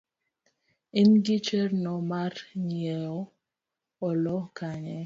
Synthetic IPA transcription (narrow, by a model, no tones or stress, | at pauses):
inɡit͡ʃernɔmaɾɲieɔ | ɔlɔkaɲɛ